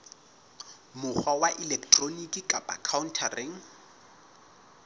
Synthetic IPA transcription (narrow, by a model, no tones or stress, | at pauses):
mʊk͡xʰwawaʔɪlɛktʼronikʼikʼapʼa̰kʰaʊntʰarɪŋ̩